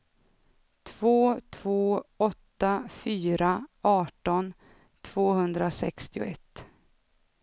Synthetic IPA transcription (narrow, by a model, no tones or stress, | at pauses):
t̪ʰv̥oːt̪ʰvoːɔt̪ːafyːɾaɑːʈɔn | t̪ʰv̥oːhɵnd̪ɾasɛ̰kst̪ɪʊ̰ɛt̪ː